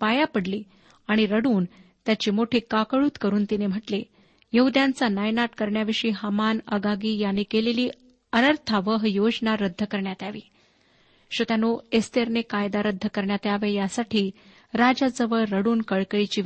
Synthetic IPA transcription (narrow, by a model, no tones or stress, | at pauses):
pajapəɽliː | aɽ̃iɾəɽuːnt̪jat͡ɕiːmoʈʰiːkakəɭuːt̪kəɾuːnt̪inem̤əʈle | jəɦud̪jãnt͡sanajnaʈkəɾɳjaʋiʂiːɦamanə̰ɡaɡiːjanːiːkeleliː | ənəɾt̪ʰaʋəɦjod͡ʑnaɾəd̪ʱːəkəɾɳjat̪eaʋiː | ɕət̪anoest̪eɾnekajd̪aɾəd̪ʱːəkəɾɳjat̪eaʋejasaʈʰiː | ɾad͡ʑad͡zəʋəɭːəɽuːnkəɭkəɭit͡ɕiː